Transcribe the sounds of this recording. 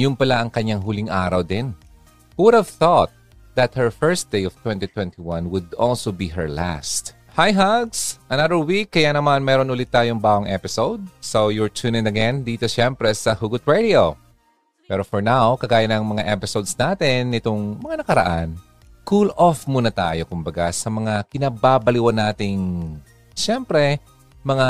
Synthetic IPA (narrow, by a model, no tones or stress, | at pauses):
jʊnpɐlaʔɐŋkɐɲːaŋɦʊlɪŋʔaːɾɐwd̪ɪn | hwʊdhɐvθɔt̪̚ | ðɐt̪̚hɛɹfɛɹst̪̚d̪̥ejɔv̥t̪wɛnt̪it̪wɛ̃nt̪iwɐ̃nwʊd̪ʔɔ̰lsobiɦɛɹla̰st̪ | hajɦaɡsʔɐnaðəɹwikːɐjanɐmanmɛːɾonʔʊlɪt̪ːaːjoŋbaːɡoŋʔɛ̰pɪsowd̪̚sowjʊɹt͡ʃ̪ʰunɪ̃ŋɐɡɛnd̪iːt̪oʃɛmpɾɛsɐhuɡʊt̪̚ɹɛd̪io | pɛːɾofɔɹnawkɐɡaːjɐnɐŋmɐŋaʔɛpɪsowd̪snaːt̪ɪnːɪt̪oŋmɐŋanɐkɐɾɐ̰ʔan | kulʔofmuːnɐt̪a̰ːjo̞kʊmbɐɡasɐmɐŋakɪnabaːbɐliwɐnːaːt̪ɪŋ | ʃɛmpɾɛ | mɐŋa